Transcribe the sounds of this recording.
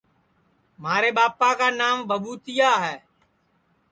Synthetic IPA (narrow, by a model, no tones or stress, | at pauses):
maːɾeːɓaːpaːkaːnaːmbʱəɓuːt̪ɪjaːɦɛː